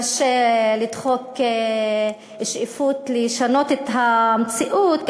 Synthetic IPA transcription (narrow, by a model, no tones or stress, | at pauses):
ʃelid̪χo̞ke | iʃʔifutleʃano̞tet̪ɦamet͡siʔut̪